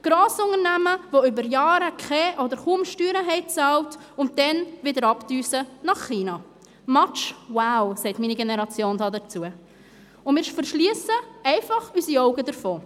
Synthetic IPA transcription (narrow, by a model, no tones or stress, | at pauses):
ɡ̥ɾɑːsʊŋəɾnæməvoʏbəɾjɑːɾəkʰɛʔɔd̪əɾχumʃtyːɾəɦɛɪt͡sɑlt | ʊnt̚d̥ɛnvɪdəɾɑpdyːsənɑχːiːnɑ | mɑt͡ʃwaʊsɛɪtmiːniɡenəɾɑt͡sjoːndɑːdət͡suə | ʊnmɪːɾɪʃfəɾʃliəsəɛɪfɑχysiɔʊɡədəfoː